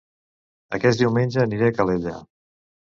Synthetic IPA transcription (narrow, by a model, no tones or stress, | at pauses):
əkɛsd̪iwmenʲd͡ʒəːniɾeəkəleʎa̰